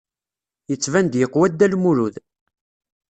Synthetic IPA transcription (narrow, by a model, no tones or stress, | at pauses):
jət͡sːvænd̪jəqwæd̪ːælmuɾuð